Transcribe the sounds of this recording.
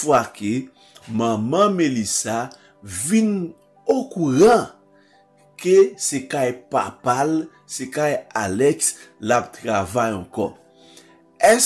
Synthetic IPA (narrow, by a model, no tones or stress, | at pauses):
fwake | mãmãmelisa | vin | okuʁã | kesekajpa̰pal | sekajalɛks | lap̚t̪ʁavajɑ̃kɔ̰ | ɛs